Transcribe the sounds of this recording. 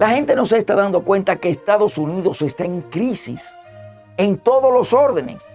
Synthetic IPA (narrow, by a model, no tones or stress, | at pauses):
lahe̞nt̪e̞no̞s̬est̪aðand̪o̞kwe̞nt̪ake̞ːst̪aðo̞suniðo̞se̞st̪aeŋkɾisḭs | e̞nt̪o̞ðoslo̞so̞ɾðene̞̰s